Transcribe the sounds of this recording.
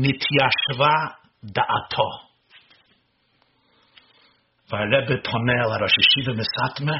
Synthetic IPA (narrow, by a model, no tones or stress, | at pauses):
nɪt̪ʰiaʃva | d̪əʔat̪ʰɔ | vaɾɛbəpʰɔnɛlˠaɾɔʃəʃɪvəmɪsatmə